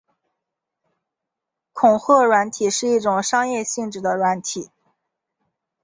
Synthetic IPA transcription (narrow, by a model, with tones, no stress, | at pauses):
kʰʊ˨˩ŋxɤ˥˩ɻwa˧˥nt̪ʰi˨˩ʂɻ̩˥˧i˥˩ʈ͡ʂʊ˨˩ŋʂɑ˥ŋjɛ˥˧ɕi˥˧ŋʈ͡ʂɻ̩˥˩d̪ə˩ɻwa˧˥nt̪ʰi˨˩˦